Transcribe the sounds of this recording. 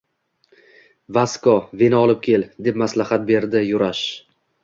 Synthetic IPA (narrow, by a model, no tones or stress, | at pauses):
vaskɒvenɒlˠɪp̚kʲʰe̞ld̪e̞pmaslahat̪̚be̞ɾd̪ɪjʊɾaʃ